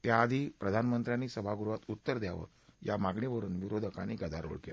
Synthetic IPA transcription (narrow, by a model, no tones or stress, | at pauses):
t̪jaːd̪ʱiːpɾəd̪ʱanmənt̪ɾjaniːsəbʱaɡuɾuʋat̪ut̪ːəɾd̪jaʋə̰ɾ | jamaɡɳiʋəɾuːnʋiɾod̪ʱəka̰ñikəd͡z̪ʱaɾo̰ɭkea